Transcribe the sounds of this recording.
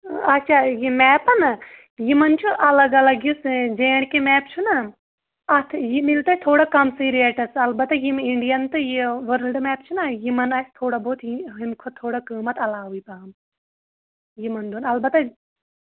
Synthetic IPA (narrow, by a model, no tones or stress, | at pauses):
ɐtːt͡ʃʰaːjimɛːpɐnɐ | jimɐnt͡ʃʰuʔɐlɐɡɐlɐɡjusd͡ʒeːɽ̃kemɛːpt͡ʃʰuna | ɐt̪ʰjimilt̪ɐt̪ʰoːɽakɐmsiːɾieːʈɐsɐlbɐt̪ɐjimiɳɖijɐnt̪ɨjiʋɐɾəlɖmɛːpt͡ʃʰunɐjimɐnɐst̪ʰoːɽɐboːt̪ʰiɦinkʰot̪ʰoːɽakəːmɐt̪ɐlaːɦuipaːm | jimɐnd̪unɐlbɐt̪ɐ